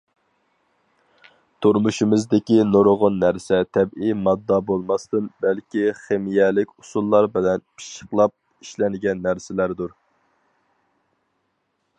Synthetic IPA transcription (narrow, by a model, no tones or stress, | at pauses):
t̪ʰuɾmuʃimɨzd̪ɪkʲinoɾʁʊnːæɾsɛt̪ʰɛbijmɑd̪ːɑbolˠmɑst̪ɨnbælkʲiχemijɛlɪkʲusulˠːɑɾbɪlɛnpʰi̥ʃə̥qlˠɑp̚ | iʃlɛnɪɡʲɛnːæɾsɪlæɾd̪uɾ